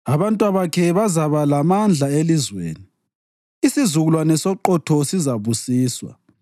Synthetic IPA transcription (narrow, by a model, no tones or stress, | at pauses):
aβantʼwaβakʰɛβazaβalamand͡ɮʱaelizwḛːni | isizuɣulwanɛsɔǃɔtʰɔsizaβusiːswa̰